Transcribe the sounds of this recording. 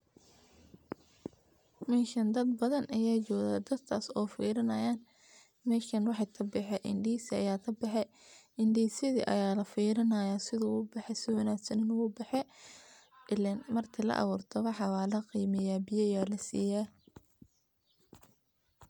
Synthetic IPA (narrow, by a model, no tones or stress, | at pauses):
mɛːʃɐnd̪ɐd̪bɐðɐnʔɐjaːt͡ʃɔːðaːd̪ɐd̪kʰaːsɔːfḭːɾɐnɐjaːn | mɛːʃkɐnwɑħɑt̪ʰɐbɛħɛʔɪ̰nɖiːsɪɐjaːt̪ʰɐbɑħɛ | ɪnɖiːsjɐðḭʔɐ̰jaːlɐfiːɾɐnɐjasɪðʊʊbɑħɛsɪwɐnaːɡsɐnɪnʊɣʊbɑħɛ | ɪlɛnmɐrt̪ʰɪlɐ̰ʔɐ̰βuːrt̪ʰɐwɑħɑwaːlɐqiːmɛjaːbɪjɐjaːlɐsḭːjaː